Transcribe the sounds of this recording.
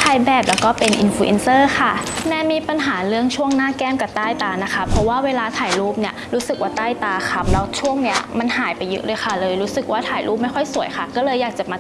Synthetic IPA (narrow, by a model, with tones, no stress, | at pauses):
t̪ʰaː˧jbɛː˨˩p̚lɛː˦˥wkɔː˥˩pe˧nʔḭ˧nfu˧ʔḛ˧nsɤː˥˩xʰa˥˩nɛː˧˥miː˧pa˧nɦaː˩˦ɾɯ˥˩əŋt͡ɕʰu˥˩əŋnaː˥˩kɛː˥˩˨mka˨˩t̪aː˥˩jt̪aː˧na˦˥kʰa˦˥pʰɾɔ˧˦˥waː˥˩weː˧laː˧t̪ʰaː˨˩jɾuː˥˩p̚ni˥˩ɐɾuː˦˥sɯ˨˩k̚waː˥˩t̪aː˥˩jt̪aː˧kʰa˧˥mlɛː˦˥wt͡ɕʰu˥˩əŋni˦˥ɐma˧nhaː˩˦jpa˧jːɤ̰˦˥ʔlɤː˧jxʰa˥˩lɤː˧jɾuː˦˥sɯ˨˩k̚waː˥˩t̪ʰaː˨˩˦jlʔuː˥˩p̚ma˥˩jxɔ˥˩jsu˨˩˦jxʰa˥˩kɔː˥˩lɤː˧jːaː˨˩k̚t͡ɕa˨˩maː˧